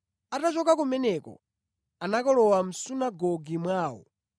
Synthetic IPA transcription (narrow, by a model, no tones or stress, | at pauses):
atat͡ʃɔkak̬umɛnɛkɔ̰ | anakɔlɔwam̩sunaɡɔɡimwaːwɔ̰